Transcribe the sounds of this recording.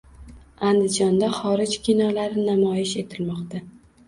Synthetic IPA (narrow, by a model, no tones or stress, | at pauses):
and̪ɪd͡ʒɒnd̪aχɒɾɪd͡ʒkʲʰinɒlaɾɪnamɒjɪʃe̞t̪ʰɪlmɒqt̪a